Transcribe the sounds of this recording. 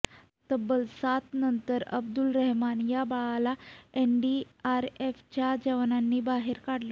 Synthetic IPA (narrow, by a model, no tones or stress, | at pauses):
t̪əbːəlsat̪nənt̪əɾə̰bd̪ulɾəɦmanjabaɭalaenɖiaɾeft͡ɕjad͡ʑəʋnanːiːbaɦeɾkaɽlo